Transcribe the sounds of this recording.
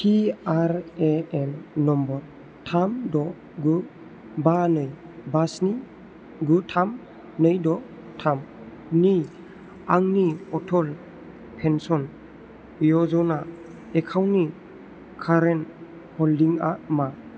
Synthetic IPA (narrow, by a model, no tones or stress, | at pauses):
tʰiaɾeɛnːɔmbɔɾ | tʰamdɔ | ɡu | banɯj | basni | ɡutʰam | nɯjdɔ | tʰam | ni | aŋniɔtʰɔl | pʰensɔn | jɔzɔna | ekʰawni | kʰaɾen | hɔldiŋama